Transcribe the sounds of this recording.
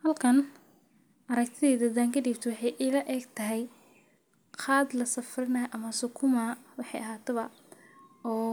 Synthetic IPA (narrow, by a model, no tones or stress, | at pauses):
hɐlkʰɐn | ʔɐɾɐk̚t̪ʰɪðɛːd̪ɐd̪aːŋkʰɐd̪iːbt̪ʰɐwɑħɑjʔɪlɐʔɛɡt̪ʰɐɦɛj | qʰɑːd̪lɐsɐfrɪnaːʔɐmɐsʊkʰʊmawɑħɑjɐɦaːt̪ʰɛβɐ | ɔː